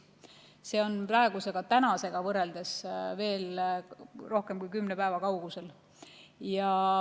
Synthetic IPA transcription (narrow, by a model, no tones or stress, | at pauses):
se̞ːo̞nprɑeɡ̥use̞ɡ̥ɑt̪ænɑse̞ɡ̥ɑvɤre̞ld̪e̞sve̞ːl | ro̞hke̞mkujkymnepæevɑkɑwɡ̥use̞l | jɑ